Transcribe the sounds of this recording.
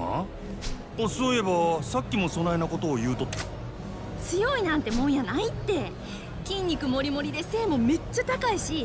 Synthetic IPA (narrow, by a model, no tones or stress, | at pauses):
a̰ | osoːe̞basakʲːimo̞so̞nainako̞t̪o̞ːjɯ̟ːt̪o̞t̪ːḁ | t͡sɨjo̞inãnt̪e̞mõ̞ɰ̃janait̪ːe̞ | kʲĩɲʲːikɯ̟mo̞ɾʲimo̞ɾʲid̪e̞se̞ːmo̞me̞t͡ɕːat̪akaiɕi